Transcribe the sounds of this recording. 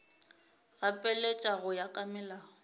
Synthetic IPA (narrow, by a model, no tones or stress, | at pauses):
ɣapʼɛlet͡ʃʼaɣʊjakʼamɪlaːɔ